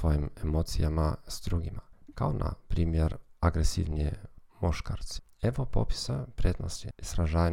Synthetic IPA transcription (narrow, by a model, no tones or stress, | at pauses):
ʋo̞jimemot̪sijamaz̥d̪ɾuɡimakaonʔa̰pɾiːmjeɾaɡɾesḭʋnijemoʃkaɾt̪se̥ | eʋopo̰pi̥sopɾʲed̪nosiisɾaʒaːj